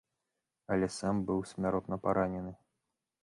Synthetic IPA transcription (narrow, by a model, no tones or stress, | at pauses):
ɐlʲɛsambɨwsʲmʲaɾɔt̪nɐpaɾʔanʲɛnɨ